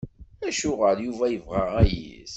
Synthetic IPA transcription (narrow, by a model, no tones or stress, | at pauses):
æʃʊʁəɾjuvæjəvʁaæjḭs